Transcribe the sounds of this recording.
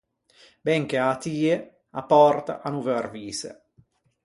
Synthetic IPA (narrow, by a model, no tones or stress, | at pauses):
bɛŋkeat̪iːe | apɔrt̪a̰ʔanuvøarviːsḛ